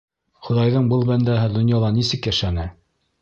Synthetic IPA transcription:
χŏðɑjðɤɴbɤlˠbænd̪æɦɘd̪ŏnjɑlˠɑnisɘkjæʃænɘ

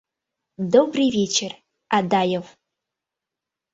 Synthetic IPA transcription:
d̪obrɨjvʲet͡ɕʰer | ad̪ajəv

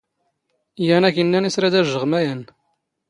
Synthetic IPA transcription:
jænækənːænisɾæd̪æʒːəʁmæjən

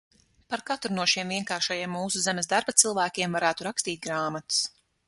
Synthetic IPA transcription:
paɾkat̪ɾunuɔʃiɛmviɛŋkaːɾʃajiɛmːuːsuzemɛzd̪aɾbat̪sɨlˠvæːkʲiɛmvaɾæːt̪uɾakst̪iːt̪̚ɡɾaːmat̪s

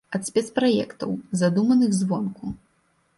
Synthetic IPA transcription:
ɐt̪sʲpʲɛt̪spɾajɛ̰kt̪ɐ̰wzad̪umɐnɨɣzvɔnku

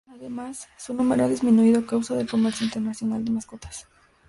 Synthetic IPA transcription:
aðe̞masːunũmeɾoaðizmĩnuiðoakawsaðe̞lko̞meɾsjoint̪e̞ɾnasjo̞nald̪e̞masko̞t̪ḁs

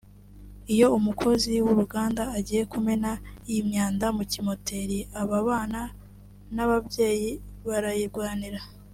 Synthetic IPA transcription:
ijo̞umukʰo̞ziwuɾuɡaːndaːɟiːje̞kumenajimɲaːndamucimo̞tʰe̞ɾiaβaβaːna | naβabɟe̞ːjiβaɾajiɾɡwaːniɾa

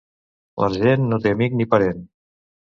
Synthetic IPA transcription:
lʔə̰ʒenːot̪eəmik̚nipəɾen

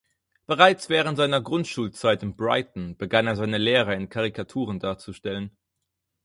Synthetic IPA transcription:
b̥əʁaɪt͡sv̥ɛːʁ̞əntz̥aɪnɐɡʁʊntʃuːlt͡saɪtɪmbʁa̰ɪtn̩b̥əɡaneːɐzaɪnəleːʁ̞ɐɪnkʰaʁikʰatʰuːʁəndaːɐt͡suʃtɛlən

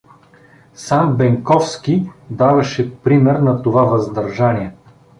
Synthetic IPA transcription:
sambɛŋkɔfskʲid̪avɐʃɛpɾimɛɾnɐt̪ovavɐzd̪ɐɾʒaniɛ

